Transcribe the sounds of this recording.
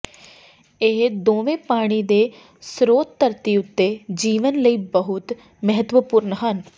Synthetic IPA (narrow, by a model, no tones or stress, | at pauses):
ɪɦd̪oːʋẽːpaːɽ̃iːd̪eː | sɾoːt̪ːəɾt̪iʊt̪ːeːd͡ʒiːʋənləiːbəɦʊt̪ | məɦət̪ʋəpʊɾnɦən